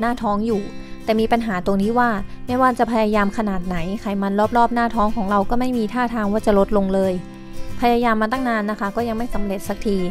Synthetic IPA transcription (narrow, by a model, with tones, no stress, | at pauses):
naː˥˩t̪ʰɔː˦˥ŋjuː˨˩ | t̪ɛː˨˩miː˧pa˧nɦaː˩˦t̪o˧ŋniː˦˥˩waː˥˩ma˥˩jwaː˥˩t͡ɕa˨˩pʰa˧jaː˧jaː˧mkʰa˧naː˨˩t̪̚na˩˦jkʰa˨˩jma˧nlɔː˥˩p̚lɔː˥˩p̚naː˥˩t̪ʰɔː˦˥ŋkʰɔː˩˦ŋɾa˧wkɔː˥˩ma˥˩jmiː˧t̪ʰaː˥˩t̪ʰaː˧ŋwaː˥˩t͡ɕa˨˩lo˦˥t̪̚lo˧ŋlɤː˧j | pʰa˧jaː˧jaː˧mːa˧t̪a˥˩ŋnaː˧nːa˦˥kʰa˦˥kɔː˥˩ja˧ŋma˥˩jsa˩˦mle˨˩t̪̚sa˨˩k̚t̪ʰiː˧